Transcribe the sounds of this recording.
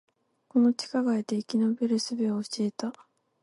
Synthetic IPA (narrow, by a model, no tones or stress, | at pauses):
ko̞no̞t͡ɕi̥kaɡaet̪e̞ikʲinobeɾɯ̟sɨbeoːɕieːt̪a